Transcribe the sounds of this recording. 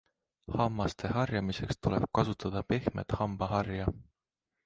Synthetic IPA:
hɑmːɑst̪ʰe̞hɑrjɑmise̞kst̪ule̞b̥̚kɑsut̪ˑɑd̪̥ɑpe̞hme̞̰t̪hɑmb̥ɑɦɑrjɑ

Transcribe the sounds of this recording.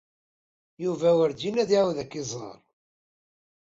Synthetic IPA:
juvæwəɾd̪inæðiʕwðækːɪzˤɑ̰ɾˤ

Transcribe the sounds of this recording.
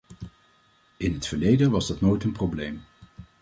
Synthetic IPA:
ɪnɦətfəɹlejdənʋɑzdɑtnojtənproblejm

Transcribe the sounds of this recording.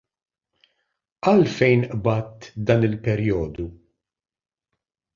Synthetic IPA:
ʔɐlfɛjnʔbɐt̪d̪ɐːnɪlpɛɾjɔːd̪u

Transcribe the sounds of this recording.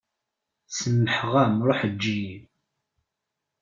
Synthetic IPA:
səmːəħʁæmɾˤoħəd͡ʒːiji

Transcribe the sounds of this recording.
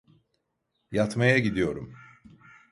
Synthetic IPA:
jat̪majaɟid̪ijo̞ɾum

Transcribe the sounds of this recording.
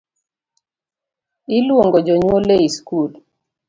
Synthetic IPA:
ilwoŋɡɔd͡ʒoɲwoleiskul

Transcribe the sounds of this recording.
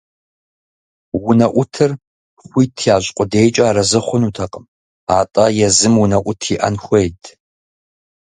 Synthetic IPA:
wʊnɐʔʷʊtʰɨr | χʷiːtʰiaːɕʼqʷʼʊdeːjt͡ʃʼaːɾɐzɨχʷʊnuːtʰɐqʼəm | aːtʼɐjɛzɨmwʊnɐʔʷʊtʰiʔɐ̰nxʷejtʰ

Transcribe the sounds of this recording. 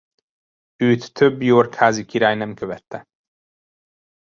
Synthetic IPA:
øːt̪ːøbːjoːrkhaːzikiɾaːjnɛmkøvɛt̪ːɛ

